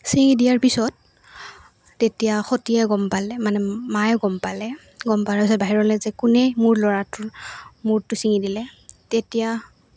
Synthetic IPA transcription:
siŋidijaɹpisɔt̚ | etijaxotijɛɡɔmpalɛmanɛmajɔɡɔmpalɛ | ɡɔmpaɹɔsɔbaɦiɹɔlɛzɛkʊnɛmuɹlɔɹatʊɹmuɹtʊsiŋidilɛtetija

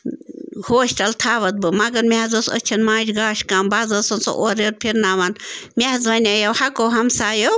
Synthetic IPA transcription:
hoːʃʈɐlt̪ʰaːʋɐt̪̚bɨmɐɡɐɾmʲeɦɐzɐsɐ̰t͡ʃʰɐnmaːd͡ʒɡaːʃkaːmbaːzɐsɐnso̰ʔoɾeɾ̚pʰiɾnaːʋɐnmʲehzʋɐnʲajɐwhɐkoːɦɐmsaːjo

